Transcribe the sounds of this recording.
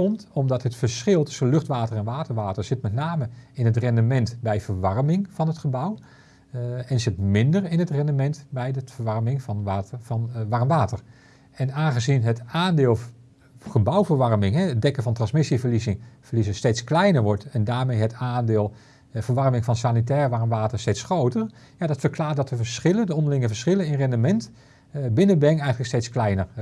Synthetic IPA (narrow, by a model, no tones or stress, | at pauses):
ɔmtɔmdɑtɦətfəɹsχɪlˠtɵ̥sənlɵχtʋaːtərɛnʋaːtəɹʋaːtəɹz̥ɪtmɛtnaːməɪnɦətrɛndəmɛntbɛjvəɹʋɑrmɪŋv̥ɑnɦətχəbʌw | ɛnsɪt̚mɪndərɪnɦətrɛndəmɛntbɛjəfəɹʋɑɹmɪŋvnnʋɑɹmʋaːtəɹ | ɛnaːnχəzinɦətaːndɪːlˠ | χəbʌwvəɹʋɑrmɪŋɦɛədɛkənvɑntrɑnsmɪsivəɹlizɪŋvərlizəstejtsklɛjnəɹʋɔɹtɛndaːɹmejɦətaːndɪːlˠ | vəɹʋɑrmɪŋfɑnsanit̬ɛːrʋɑrmʋaːtəɹstejtsχrowtər | jadɑtfəɹklaːɹt̚dɑtəvəɹsχɪləndəɔndəlɪŋəvəɹsχɪlənɪnrɛndəmɛnt | bɪnəbɛŋɛjənləkstejtsklɛjnər